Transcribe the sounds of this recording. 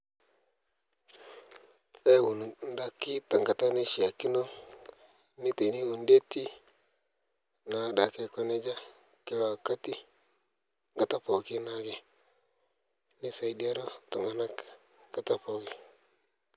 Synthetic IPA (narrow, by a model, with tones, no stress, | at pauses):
e˦˨wu˨n˨n˦da˦kːi˦ta˨ŋɡa˨ta˦ni˦ʃi˨a˨kːi˦no˦ | ni˦te˨ni˦wu˨nde˦ti˦ | na˨˦da˨ke˦˨ko˦ne˦d͡ʒa˦ | ki˦la˨ka˦ti˦ | ŋɡa˨ta˦po˨ki˦na˦ɡe˨ | ni˦sa˨i˦di˦a˦ɾo˦to˨ma˨na˦k | ŋɡ̥a˨ta˦po˨ɡi˨